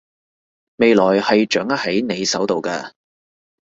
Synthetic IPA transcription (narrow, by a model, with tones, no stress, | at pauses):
me˨˧jlɔː˨˩jhɐ˨jt͡ʃœː˨˥ŋɐ˥t̚hɐ˨˥jne˨˧jsɐ˨˥wt̪o˨wkɐː˧